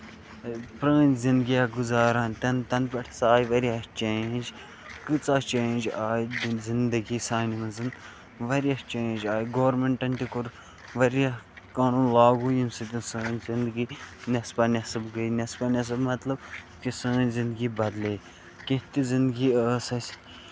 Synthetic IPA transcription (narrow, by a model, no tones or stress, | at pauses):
pɾəːnzĩnd̪ɡijaɡuzaːɾãːnt̪ɐnt̪ɐnpɐʈʰsaːjʋɐɾijɐht͡ʃeːnd͡ʒ | kɨt͡saːt͡ʃẽːnʲd͡ʒaːjzind̪ɐɡiːsaːnimɐnzɨn | ʋɐɾɐht͡ʃẽːnd͡ʒaːjɡoːɾmeɳʈɐnt̪ikʊɾ | ʋɐɾjɐ | kaːnuːnlaːɡuːjimsɨt̪ʲisəːnzind̪ɡiːnɐspɐnʲɐsɐbɡɐjnʲɐspanʲɐs̬ɐbmɐt̪lɐb | kisəːnʲzĩnd̪ɡiːbɐd̪leː | kẽɦt̪izĩnd̪ɡiːəːsɐsʲ